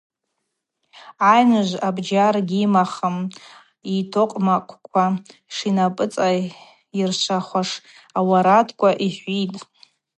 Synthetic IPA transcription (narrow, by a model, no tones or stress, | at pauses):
ajnɨʒʷabd͡ʒarɡʲimaχəm | itʰoqʼmakʷʰkʷʰaʂinapʼɨt͡sʼa | irt͡ʃʷʰaχʷaʂ | awaɾatʰkʷʼaʔiħʷitʼ